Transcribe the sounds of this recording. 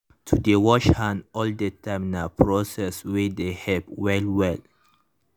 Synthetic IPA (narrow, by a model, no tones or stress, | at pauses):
tʰudewɔʃhãnɔldətamnapʰɹosɛswɛdehɛbwɛlwɛl